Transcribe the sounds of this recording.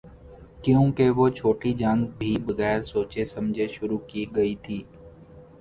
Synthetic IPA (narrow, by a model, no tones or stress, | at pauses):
kjõːkeʋot͡ʃʰoːʈid͡ʒãŋɡbʱibɐɣɛːɾsoːt͡ʃesɐ̃md͡ʒʱeʃʊɾukiɡɐit̪ʰiː